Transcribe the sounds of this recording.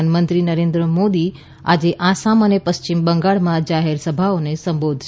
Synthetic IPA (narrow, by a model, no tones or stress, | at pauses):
anmə̃nt̪ɾinəɾẽːnd̪ɾəmoːd̪i | a̰d͡ʑeʔasamənepəst͡ɕɪmbə̃ŋɡaɭmãd͡ʒaɦeɾsəbʱaonesə̃mbod̪ʱʃ